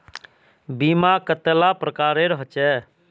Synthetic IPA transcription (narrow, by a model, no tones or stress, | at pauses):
biːmakət̪ːlapɾəkaːɾeɾəɦt͡ʃɛː